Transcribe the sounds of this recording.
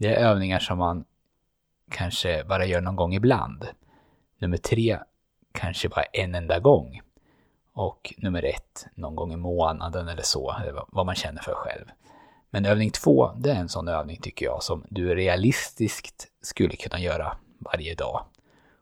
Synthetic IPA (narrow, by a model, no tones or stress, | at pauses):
d̪̥ɛæɾøːvnɪŋaʂɔmːan | kʰanʂəbɑːɾajœːɾɳɔnɡɔŋːɪbla̰nd̪ | nɵmːəʈʰɾeː | kʰanʂəbɑːɾa̰ʔɛnɛnd̪aɡɔŋː | ɔknɵmːəɾɛt̪nɔnɡɔŋːɪmoːnad̪ənɛlːəʂɔ̰ɛlːvamanɕɛnːəɾfœ̰ɧɛ̰lv | mɛnøːvnɪŋt̪ʰv̥oːd̪ɛæɾɛnsɔnːøːvnɪŋt̪ʰʏkːəjɑ̰ːsɔmd̪ɵɾɛalɪst̪ɪskt̪skɵlːʔəkʰɵnːajœːɾa | vaɾjəd̪ɑ̰ː